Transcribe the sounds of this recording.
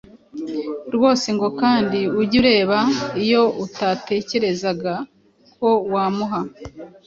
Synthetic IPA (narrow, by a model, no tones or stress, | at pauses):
ɾwo̞ːseŋɡo̞kaːndiuɟuɾe̞ːβaijo̞utate̞ːce̞ɾe̞zaɡa | ko̞waːmuɦa